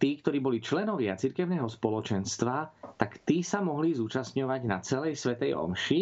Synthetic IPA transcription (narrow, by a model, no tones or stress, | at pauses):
t̪iːkt̪ɔɾiːbɔlit͡ʃlɛnɔʋɪat͡siɾkɛʊnɛːɦɔspɔlɔt͡ʃɛnst̪ʋat̪akt̪iːsamɔɦlizuːt͡ʃast̪ɲɔʋaɟnat͡sɛlɛjsʋɛt̪ɛjɔ̰mʃi